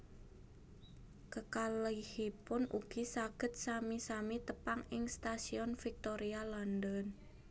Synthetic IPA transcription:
kəkalihipʊnṵɡ̥isaɡ̥ət̪̚samisamit̪əpaŋɪŋst̪asiɔnfik̚t̪oɾialandən

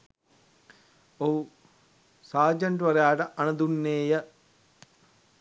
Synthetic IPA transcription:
ou | saːd͡ʒɐɳʈʋɐɾejaːʈəʔɐnɐd̪unːeːjə

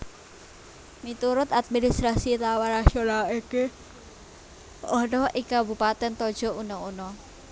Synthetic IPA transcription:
mit̪uɾʊt̪at̪̚minist̪ɾasit̪awaɾaʃɔlaeke | ʔɔnɔʔikabupat̪ɛnt̪ɔd̥ʒ̥ɔ̤unɔunɔ

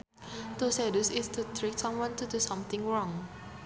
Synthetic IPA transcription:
t̪usɛdusɪst̪ut̪ʰɹeksãmwãnt̪udusʌ̃mt̪ɪ̃ŋɹɔ̃ŋ

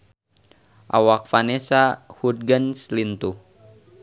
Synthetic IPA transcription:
ʔa̰wak̚fanesahud̚ɡənslint̪u

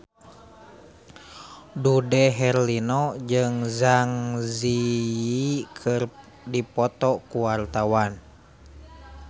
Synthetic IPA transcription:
dudɛɦɛrlinɔd͡ʒɨŋzaŋziikʰɨr | dipɔt̪ɔkuwart̪awan

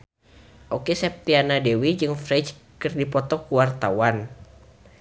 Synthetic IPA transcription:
ʔokesɛp̚t̪ianadewid͡ʒɨŋfɾɛd͡ʒ | kɨrdipɔt̪ɔkuwart̪awan

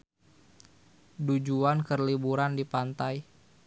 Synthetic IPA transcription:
dud͡ʒuankərlibuɾandipant̪aj

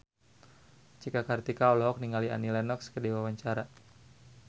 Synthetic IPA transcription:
t͡ʃikakart̪ikaɔlɔɦɔk̚niŋalia̰nilɛnɔkskədiwawaɲt͡ʃaɾa

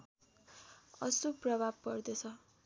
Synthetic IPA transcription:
ʌ̰suprʌbʱab̚kʌrd̪et͡sʰʌ

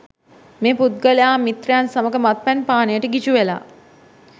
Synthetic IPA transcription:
meːput̪̚ɡəlejaːmit̪rejansaməɡəmat̪̚pænpaːnəjəʈəɡit͡ʃuʋela̰ː

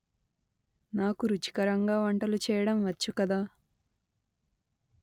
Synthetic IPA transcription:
naːkuɾut͡ʃi̥kɐɾɐŋɡaːʋɐɳʈɐlut͡ʃɛːjɐɽɐmʋɐt͡ʃːukɐd̪aː

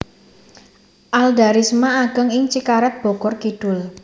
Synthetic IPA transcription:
ʔald̪aɾismaːɡ̥əŋɪŋt͡ʃikaɾɛt̪̚b̥o̤ɡ̥ɔrkiɖ̥ʊl

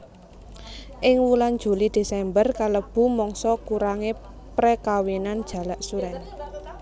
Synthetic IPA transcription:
ʔɪŋwuland̥ʒ̥ṳlid̪̥e̤sɛmbərkaləb̥ṳmɔŋsɔkuɾaŋe | pɾekawinand̥ʒ̥ä̤laʔsuɾɛn

